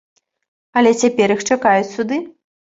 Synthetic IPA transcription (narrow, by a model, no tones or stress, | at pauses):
ɐlʲɛt͡sʲapʲɛɾixt͡ʂakajut͡sʲsud̪ɨ